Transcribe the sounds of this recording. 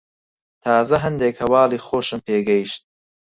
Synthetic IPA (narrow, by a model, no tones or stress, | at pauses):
t̪ʰɑːzɐɦɐnd̪eːkhɐwɑːliːxoːʃɨmpʰeːɡɐjiʃt̪̚